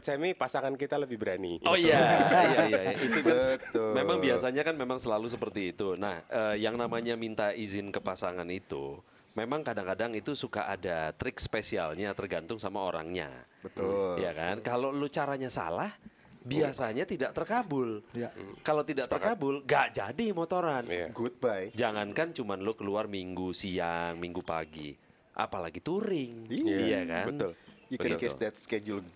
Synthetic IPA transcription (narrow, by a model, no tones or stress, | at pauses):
t͡ʃamipasaŋankit̪aləbɪhbəɾaniojajajaait̪ut̪memaŋbiasaɲakanmemaŋsəlalus̬əpərt̪iːt̪una̰həːjaŋnamaɲamint̪aizɪnkəpasaŋanit̪ṵ | memaŋkadaŋkadaŋit̪usuka̰ʔa̰dat̪ɾɪkspesia̰lɲat̪ərɡant̪ʊŋsamaoɾa̰ŋɲa̰bət̪ʊjakankalolot͡ʃaɾaɲasa̰lah | biasaɲat̪idaʔt̪ərkabʊljkalot̪idaʔt̪ərkabʊlŋɡaʔd͡ʒadimot̪oɾanɡut̪̚bajd͡ʒaŋankant͡ʃumanlokəluarmiŋɡusiaŋmiŋɡupa̰ɡḭ | ʔa̰palaɡit̪uɾɪŋijakabənʊljubkesdɛt̪sked͡ʒul